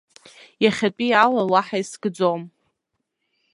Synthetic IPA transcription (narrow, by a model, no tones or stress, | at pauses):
jaχʲat͡pʼialalaħajsɡd͡zom